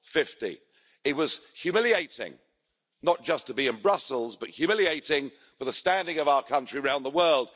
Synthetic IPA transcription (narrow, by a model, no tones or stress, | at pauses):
fɪftḭ | ɨt̚wʌz̥hjʉmɪlˠieɪtɪ̰̃ŋ | nət̚d̥ʒ̥ʌstʰəbiɨ̃nbɹʌsl̩ˠzbʌʔ̚hjʉmɪlˠieɪɾɪ̃ŋ | fəðəstæ̃ndɪ̃ŋʌvaʊəkʰʌ̃nt͡ʃɹ̥iəɹãʊ̃nðəwɜ˞lˠd̥